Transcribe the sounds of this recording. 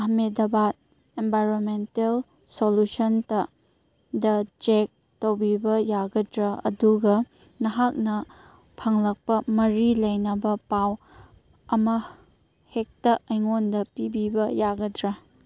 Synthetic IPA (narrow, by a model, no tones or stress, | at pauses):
ɐhmedɐbat̚ | embajɾonmentel | solusontɐ | dɐd͡ʒek̚ | towbibɐjaɡɐdɾɐɐ̰duɡɐ | nɐɦak̚nɐ | pʰɐŋlɐk̚pɐmɐɾilɐjnɐbɐpaw | ɐmɐ | hek̚tɐʔɐjŋondɐpibibɐjaɡɐdɾɐ